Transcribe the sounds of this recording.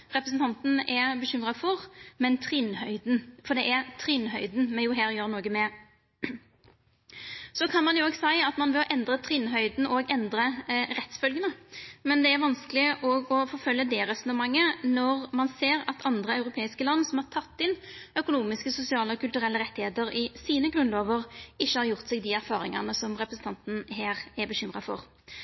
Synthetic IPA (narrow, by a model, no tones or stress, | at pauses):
ʁɛpɾəsn̩t̪ɑnt̪n̩ɛbəɕʏmʁɑfɔʁmɛnt̪ʰʁɪnhœʏd̪n̩fɔd̪ɛʔæʁt̪ʰʁɪnɦœʏd̪n̩mɛnjʊɦæːɾjøːɾnoːɡəmɛ | sɔkʰɑnmɑnjʊoːɡsæɪɑt̪mɑnʋɛɔʔɛnd̪ʁət̪ʰʁɪnːɦœʏd̪n̩ʔɔɡɛnd̪ɾəɾɛt̪sfœlɡənəmɛnd̪ɛæɾʋɑnskəlɪʔɔɡɔfɔɾfœlːəd̪ɛʁɛsɔnəmɑŋːənɔʁmɑnseːʁɑt̪ʰɑnd̪ʁəɑʉɾʊpʰeːɪskəlɑnːsɔmhɑʁt̪ʰɑt̪ːɪnœkʊnuːmɪskəsʊsɪɑːləɔkʰʉlt̪ʉɾɛlːəɾʁɛt̪ːɪheːt̪əʁɪsiːnəɡɾʉnloːʋəʁɪçːəhɑɾjʊʁt̪sɛːɡd̪ɪæɾfɑːʁɪŋɑnəsɔmʁɛpɾʁəsn̩t̪ɑnt̪n̩ɦeːʁæbəɕʏmʁɑ̰fɔ̰ʁ